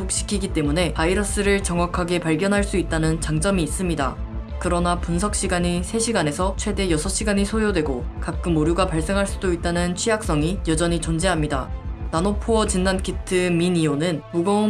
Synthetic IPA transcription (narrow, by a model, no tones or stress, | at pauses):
k̚ɕ͈i̥kʰiɡit͈e̞mune̞paiɾʌs͈ɯɾɯɭt͡ɕʌŋwakʰaɡe̞paɭɡjʌnɦaɭs͈uit̚t͈anɯnt͡ɕaŋd͡ʑ͈ʌmiːs͈ɯmɲida̰ | kɯɾʌnapunsʰʌk̚ɕ͈iɡaɲisʰe̞ɕʰiɡane̞sʰʌt͡ɕʰwe̞de̞jʌsʰʌɕ͈iɡaɲisʰojodwe̞ɡokak̚k͈ɯmoɾjuɡapaɭs͈e̞ŋɦaɭs͈udoit̚t͈anɯnt͡ɕʰijak̚s͈ʌŋijʌd͡ʑʌɲit͡ɕond͡ʑeɦamɲida̰nanopʰoʌt͡ɕinːankʰitʰɯminionɯnmuɡʌ